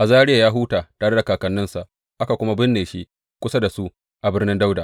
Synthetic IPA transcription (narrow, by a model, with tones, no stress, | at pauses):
ʔa˨zaː˦ɽɪ˦ja˨jaː˦ɦuː˦taː˨taː˨ɽe˦da˨kaː˨kɐ˨nːɪ˦nsa˨ʔ | ʔa˦ka˨kʷʊ˦ma˦bɪ˦nːeː˨ʃiː˦ | kʷʊ˦sa˦da˨su˦ʔ | ʔa˨bɪ˦rnɪ˦nda˦wda˨